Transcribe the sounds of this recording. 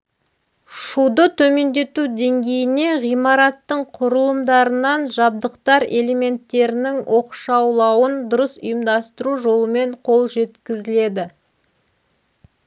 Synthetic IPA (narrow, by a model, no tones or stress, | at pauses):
ʃud̪ət̪ʰɵme̞nd̪e̞t̪ud̪e̞ŋɡʲe̞jɪne̞ʁijmɑɾɑt̪ːəɴqʰʊɾəlˠəmd̪ɑɾənɑnʒɑb̚d̪əqt̪ɑɾe̞le̞me̞nt̪ːe̞ɾɪnɪŋwʔo̞qʃɑwlˠɑwənd̪ʊɾəsʊjəmd̪ɑst̪əɾuʒo̞lˠəme̞ɴqʰo̞lˠʒe̞t̪kʲɪzɪle̞d̪ɪ